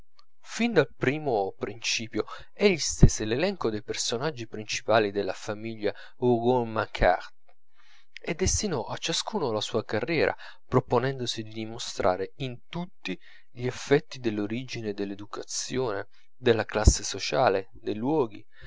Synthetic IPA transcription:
find̪alpɾiːmopɾint͡ʃiːpjo | ɛʎːist̪eselelɛŋkod̪ejpersonad͡ʒːipɾint͡ʃi̥paːlid̪elːafamiʎːa | uɡulmakʰa̰rt̪ | ed̪ːest̪inɔʔat͡ʃːaskuːnolasuːakarːjɛːɾʔa̰ | pɾoponɛnd̪osid̪id̪imost̪ɾʔa̰ːɾeint̪ut̪ːi | ʎiefːɛt̪ːid̪elːoɾid͡ʒined̪elːed̪ukat̪sjoːnḛ | d̪elːaklasːesot͡ʃaːle | d̪ejlwɔːɡi

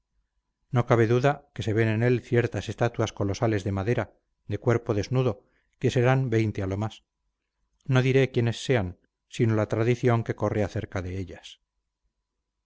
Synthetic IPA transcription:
no̞kaβ̞e̞ðuðake̞se̞βe̞nene̞lθje̞ɾt̪ase̞st̪at̪uasko̞lo̞sale̞zðe̞maðe̞ɾa | ðe̞kwe̞ɾpo̞ðe̞znuðo̞ | ke̞se̞ɾambe̞jnt̪ealo̞mas | no̞ðiɾe̞kje̞ne̞sːe̞an | sino̞lat̪ɾaðiθjo̞ŋke̞ko̞reaθe̞ɾkaðe̞eʎas

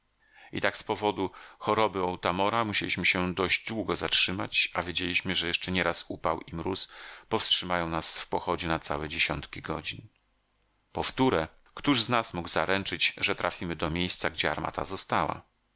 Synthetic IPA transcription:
ḭt̪akspɔvɔd̪uxɔɾɔbɘɔwt̪amɔɾamuɕelʲiɕmɘɕɛd̪ɔʑd͡ʑd̪wuɡɔzatʂɘmat͡ɕavʲjed͡ʑelʲiɕmɘʐɛjɛʂt͡ʂɛɲɛɾasupawimɾuspɔfstʂɘmajɔ̃w̃nasfpɔxɔd͡ʑɛnat̪sa̰wɛd͡ʑeɕɔnt̪kʲiɡɔd͡ʑin | pɔft̪uɾɛ | kt̪uʐznasmuɡzaɾʔɛnt͡ʂɘd͡ʑʐɛt̪ɾafʲimɘd̪ɔmʲjejst̪saɡd͡ʑɛa̰ɾma̰t̪a̰zɔst̪awa̰

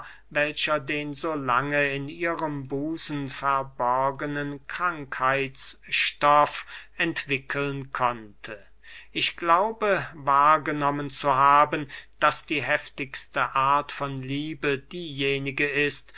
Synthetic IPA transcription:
vɛlɕɐdeːnzoːlaŋəɪniːʁəmbuːsn̩fɛɐbɔɐɡənənkʁ̥aŋkhaɪsʃtɔfʔɛntv̥ɪkʰəlnkʰɔntʰə | ʔɪçɡ̥laʊbəvaːɐɡənɔmənt͡suɦaːbənd̥asd̥iːɦɛftɪçstəʔaɐtfɔnliːbədiːjeːnɪɡəɪst

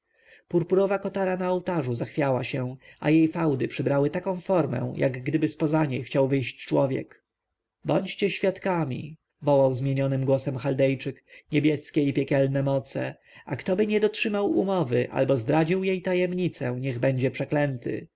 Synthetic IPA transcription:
puɾpuɾɔvakɔt̪aɾanaɔwt̪aʐuzaxfʲjawaɕɛa̰jejfawd̪ɘpʂɘbɾawɘt̪akɔ̃w̃fɔɾmɛ̰̃jʔa̰ɡɡd̪ɘbɘspɔzaɲejxt͡ɕawvɘjɕt͡ɕt͡ʂwɔvʲjɛ̰k | bɔɲt͡ɕt͡ɕɛɕfʲjat̪kamʲḭ | vɔwawzmʲjeɲɔnɘmɡwɔsɛmxald̪ɛjt͡ʂɘkɲɛbʲjɛskʲɛipʲjɛkʲɛlnɛmɔt̪sɛ̰ | ʔakt̪ɔbɘɲɛd̪ɔtʂɘmawumɔvɘʔa̰lbɔzd̪ɾad͡ʑiwjejt̪ajɛmɲit̪sɛ̃ɲɛɣbɛɲd͡ʑɛpʂɛklɛnt̪ɘ̰

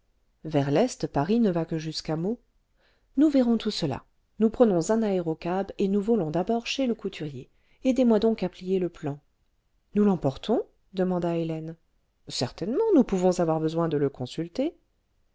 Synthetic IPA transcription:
vɛʁlɛst̪paʁinəvakəʒyskamo | nuvɛʁɔ̃t̪ʰusəla̰ | nupχənɔ̃zɛ̃naeʁɔkabenuvɔlɔ̃d̪abɔʁʃeləkut̪ʰyʁje | ed̪emwad̪ɔ̃kaplijeləplɑ̃ | nulɑ̃pɔʁt̪ʰɔ̃ | d̪əmɑ̃d̪aelɛn | sɛʁt̪ɛnmɑ̃nupuvɔ̃zavwaʁbəzwɛ̃d̪ələkɔ̃sylt̪e

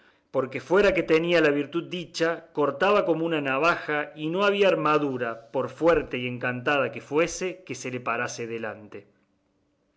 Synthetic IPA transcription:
po̞ɾke̞fwe̞ɾake̞t̪enialaβiɾt̪ud̪̚d̪it͡ʃako̞ɾt̪aβako̞mounanaβ̞axaino̞aβ̞iaːɾmaðuɾapo̞ɾfweɾt̪e̞ie̞ŋkant̪að̞akefwe̞se̞ke̞se̞lepaɾase̞ðela̰nt̪e̞

